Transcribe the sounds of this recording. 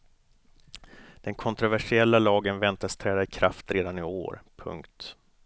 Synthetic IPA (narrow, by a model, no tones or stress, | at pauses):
d̪̥ɛnkʰɔnt̪ɾʊvæʂɪɛlːalɑːɡənvɛnt̪ast̪ʰɾɛːd̪aɪkʰɾaft̪ɾeːd̪anɪo̰ːɾpʰɵ̰ŋkt̪